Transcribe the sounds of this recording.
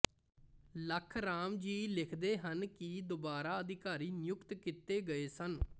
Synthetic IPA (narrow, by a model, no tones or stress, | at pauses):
ləkʰɾaːmd͡ʒiːlɪkʰd̪eːɦənkɪd̪oːbaːɾaːəd̪ɪkaːɾiːnɪjʊkt̪kɪt̪eːɡəeːsən